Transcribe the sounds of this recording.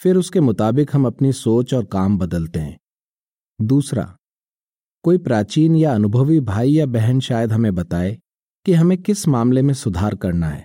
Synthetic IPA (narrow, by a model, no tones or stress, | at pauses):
fɪɾʊskemʊt̪aːbɪkɦɐmɐpnisoːt͡ʃɔːɾkaːmbɐd̪əlt̪eɦɛ̰̃ː | d̪uːsɾa̰ | koːipɾaːt͡ʃiːnjaɐnʊbʱəʋibʱaːijabɛɦɛnʃaːjəd̪ɦɐmẽbɐt̪aːe | kiɦɐmẽkɪsmaːmlemẽsʊd̪ʱaːɾkɐɾnaɦɛ̰ː